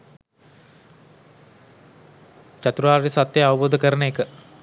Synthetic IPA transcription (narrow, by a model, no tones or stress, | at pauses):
t͡ɕat̪ɾuʋaːɾɾisat̪jeaʋəboːd̪əkəɾənəekə